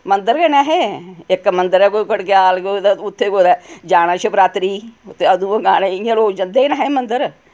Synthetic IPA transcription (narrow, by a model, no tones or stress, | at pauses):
mənd̪əɾɡenɛɦeːɪkːmənd̪əɾɛːkokəɽkjaːlɡod̪ɛʊt̪ʰːeːkoːd̪ɛːd͡ʒaːɽ̃ãːt͡ʃʰəpɾaːt̪ɾiːt̪eəd̪ũːəɡaːneːɪjãːloːd͡ʒənd̪eːinaːɦeːmənd̪əɾ